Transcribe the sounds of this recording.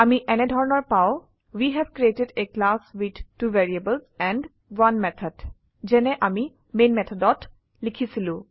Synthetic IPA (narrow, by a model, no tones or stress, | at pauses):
amiʔɛnɛdʱɔɹɔnɔɹpaʊ | wiɦɛbkɹietedeklaswid̪tuvɛɹiebəlsɛ̃ɳɖ | wanmɛt̪ʰəd | zɛnɛʔami | menmɛt̪ʰɔdɔt | likʰisilũ